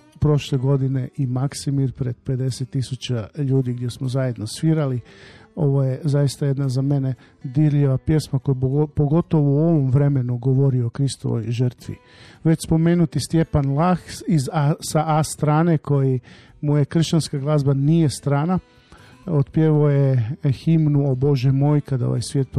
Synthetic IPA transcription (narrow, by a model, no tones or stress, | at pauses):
pɾo̞ʃleɡo̞d̪ine̞ʔimaksimiɾpɾe̞d̪̚pe̞d̪e̞set̪ːisut͡ɕaʎuːd̪iɡd̪je̞smozajed̪nosʋiɾalio̞ʋo̞jezajist̪aje̞d̪nazame̞ne | d̪iɾʎiʋapje̞smakojepoɡo̞t̪oʋouo̞ʋomʋɾe̞me̞nuɡoʋo̞ɾiokɾist̪o̰ʋo̰jʒər̩t̪ʋḭ | ʋet͡ɕspo̞meːnut̪ist̪je̞panlˠaxizasaʔast̪ɾaːnekʰo̞ji | mujekr̩ʃt͡ɕanskaɡlˠaːzbanijest̪ɾaːna | ot̪pjeʋojeximnuobo̞ʒemojkad̪ao̰ʋa̰jsʋjeːt̪̚p